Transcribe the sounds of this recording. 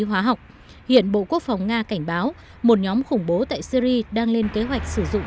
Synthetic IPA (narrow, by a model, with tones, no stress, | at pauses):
ɦwaː˨˦ɦa˨˩wk͡p̚ | hḭ˧˨ənɓo̰˧˨ku˦˥ək̚fa˨˩wŋ͡mŋaː˧ka˧˩jŋ̟ɓaː˨˦w | mo˨˩t̚ɲɔ˨˦mxʊ˧˩ŋ͡mɓo˨˦t̪a̰ː˧˨jsi˧ɾi˧ɗaː˧ŋle˧nke˨˦ɦwa˨˩jk̟̚sɨ˧˩zʊ̰˧˨ŋ͡m